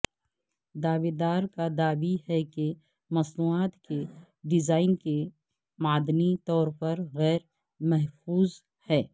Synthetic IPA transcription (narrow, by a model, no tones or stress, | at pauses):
d̪aːʋeːd̪aːɾkad̪aːbihɛke | mɐsnuaːt̪ke | ɖɪzaːɪnke | maːd̪nit̪ɔːɾpɐɾɣɛːɾ | mɛɦfuːz | hɛː